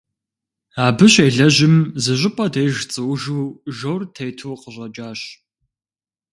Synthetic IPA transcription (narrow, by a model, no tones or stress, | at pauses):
aːbɨɕejɮɐʑɪmzɨɕʷʼɪpʼɐdejʒt͡sʼɨwʒuːʒowrtʰejtʰoːqəʑʼɐd͡ʒʼaːɕ